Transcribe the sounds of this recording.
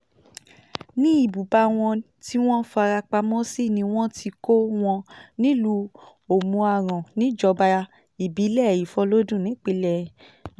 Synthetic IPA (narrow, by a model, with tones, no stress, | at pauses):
nĩ˦i˦˨bu˨ba˧w̃ɔ̃˧ | ti˦w̃ɔ̃˦fa˧ɾa˧k͡pa˧mɔ̃˦si˦˨nĩ˧w̃ɔ̃˦ti˧ko˦w̃ɔ̃˧nĩ˦lu˧˦ | o˨mũ˧a˧˨ɾ̃ã˨nĩ˨˦d͡ʒɔ˧ba˧ | i˨bi˨˦lɛ˦˨ji˨fɔ˧lo˦dũ˦˨nĩ˨˦k͡pi˧˦lɛ˧˨